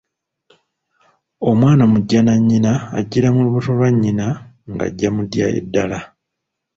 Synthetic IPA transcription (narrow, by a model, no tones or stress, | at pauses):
o̞mwaːnamuɟːanaɲːina̰ːɟːiɾamuluβuto̞lwaɲːina | ŋɡa̰ɟːamudja̰ḛdːala